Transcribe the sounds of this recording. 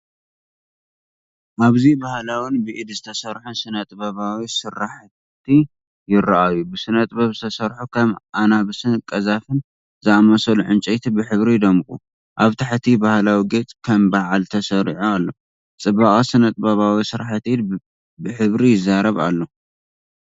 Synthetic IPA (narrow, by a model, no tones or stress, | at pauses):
ʔaβzibahlawɨnbɨʔid̪zɨt̪ʰɐsɐɾħusɨnɐt̪ʼbɐβawisɨɾːaħ | t̪ʰi | jɪrɐʔajubɨsɨnɐt̪ʼbɐβzɨt̪ʰɐsɐɾħukʰɐmʔanaβɨsɨnkʼɐzafɨn | zɨamɐsɐluʕɨnt͡ʃʼɛt̪ʰibɨħɨβɾid̪ɐmkʼu | ʔaβt̪ʰaħt̪ʰibahlawiɡet͡sʼkʰɐmbaʕalt̪ʰɐsɐɾħualːo̞ | t͡sʼɨbaχʼɐsɨnɐt̪ʼbɐβawisɨɾaħt̪id̪ | bɨħɨβɾijɪzːaɾɐβa̰lːo̞